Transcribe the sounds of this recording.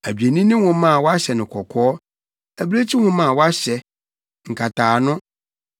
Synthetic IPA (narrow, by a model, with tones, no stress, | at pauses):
æ˨bɥe˨nĩ˦nɪ̃˦hʊ̃˦mã˦˨wɔ˦a˦ɕɛ˨nɪ̃˨kʰɔ˨kʰɔː˦ | æ˨bɾe˦t͡ɕʰi˦hʊ̃˦mã˦˨wɔ˦a˦ɕɛ˨ | ŋ̩˨kʰa˨tʰaː˨nʊ̃˦